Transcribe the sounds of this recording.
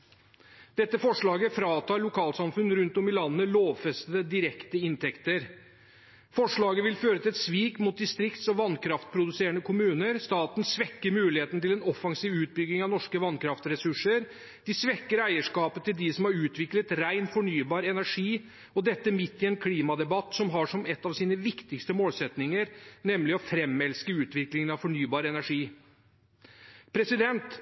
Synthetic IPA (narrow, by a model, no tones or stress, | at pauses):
d̪̥ɛt̪ːəfɔʂɭɑːɡəfɾɑːt̪ʰɑːɭʊkʰɑːlsɑmfʉnɾʉnt̪ɔmɪlɑnːənəloːʋfɛst̪əd̪əd̪ɪɾɛkt̪əɪnt̪ʰɛkt̪əɾ | fɔʂɭɑːɡəʋɪlføːɾət̪ʰɪlɛt̪sʋiːkmʊt̪̚d̪ɪst̪ɾɪkt̪sɔmʋɑnkʰɾɑft̪̚pʰɾʊd̪ʉseːɾəɳəkʰʊmʉːnəɾst̪ɑːt̪n̩sʋɛkːəɾmʉːlɪheːt̪nt̪ɪlɛnɔfɑŋsiːʋʉːt̪̚bʏɡnɪŋɑʋnɔʂkəʋɑnkʰɾɑft̪ɾɛsʉʂəɾ | d̪̥ɪsʋɛkːəɾæɪəʂkɑːpət̪ɪld̪ɪsɔmhɑɾʉːt̪ʰʋɪklət̪ɾæɪnfɔɳyːbɑːɾɛnæʂiː | ɔd̪ɛt̪ːəmɪt̪ːɪɛnkʰliːmɑd̪ɛbɑt̪sɔmɦɑʂɔmɛt̪ːɑʋsiːnəʋɪkt̪ɪkst̪əmoːlsɛt̪nɪŋəɾnɛmlɪɔfɾɛmɛlskəʉːt̪ʋɪklɪŋənɑʋfɔɳyːbɑːɾəɛnæʂiː | pʰɾɛsɪd̪ɛnt̪